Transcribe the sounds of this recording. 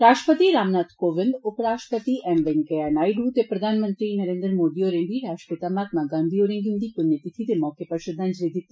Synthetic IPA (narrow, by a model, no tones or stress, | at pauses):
ɾaːʃʈəpət̪iɾaːmnaːt̪koːʋɪ̃nd̪ʊpɾaːʃʈəpət̪iʔɛmʋenkeanaːiɖut̪epɾɐd̪ʱaːnmə̃nt̪ɾinɐɾẽːnd̪ɾmoːd̪ioːɾẽnd̪iɾaːʃʈə̥pɪt̪amaːt̪maɡãːnd̪ʱioːɾẽnɡ̪ind̪ikʊnjət̪it̪ʰit̪emɔːkepɐɾʃɪd̪ʱɐ̃nd͡ʒled̪ɪt̪ː